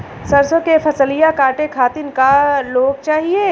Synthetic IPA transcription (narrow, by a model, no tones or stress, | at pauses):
sɐɾsõkefʰɐsəlijakaːʈekʰaːt̪ɪnkaloːɡ̚t͡ʃaːɦieː